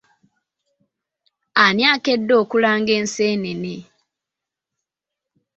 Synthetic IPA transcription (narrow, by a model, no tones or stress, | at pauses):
anjaːkedːo̞ːkulaːŋɡeːnseːnene